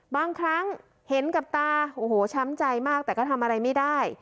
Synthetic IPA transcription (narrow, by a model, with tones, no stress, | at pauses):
baː˧ŋkʰɾa˦˥ŋ | he˨˩˦nka˨˩p̚t̪aː˧ʔoː˨˩hoː˩˦t͡ɕʰa˦˥mt͡ɕa˧jmaː˥˩k̚t̪ɛː˨˩kɔː˥˩t̪ʰa˧mʔa˧ɾa˧jma˥˩jdaː˥˩j